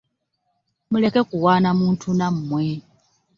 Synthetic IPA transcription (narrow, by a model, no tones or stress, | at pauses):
mule̞kekuwaːnamuːntʰunammwe